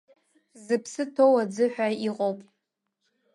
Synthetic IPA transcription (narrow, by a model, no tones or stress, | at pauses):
zɨpʰsɨtʰowad͡zɨħᶣaiqʼowpʼ